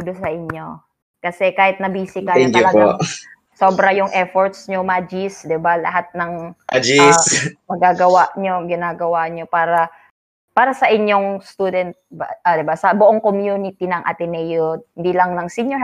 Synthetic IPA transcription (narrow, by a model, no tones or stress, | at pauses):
d̪ʊsɐʔɪɲːo | kɐsɛkaːhɪt̪̚nɐbiːsɪkɐɛk̪ɐlɐpoa | soːbɾɐjʊŋʔɛfoɹt̪sɲomad͡ʒisd̪ɪbalɐ̰ɦat̪̚nɐŋʔa̰d͡ʒismɐɡaːɡɐwaʔɲoɡɪnaːɡɐwaɲopaːɾɐ | paːɾɐsɐʔɪɲːoŋst̪uːd̪ɛnt̪̚bʔad̪ɪbasɐbʊʔoŋkomjunɪt̪inɐŋʔɐ̰t̪ɪnɛjot̪̚hɪnd̪ilɐŋnɐŋsiɲjɔ